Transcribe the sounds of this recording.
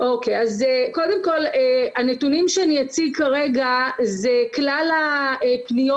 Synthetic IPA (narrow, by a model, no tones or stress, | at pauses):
ʔokejazeko̞de̞mko̞leanetunimʃeanijat͡sikaʁeɡazeklalaepnijo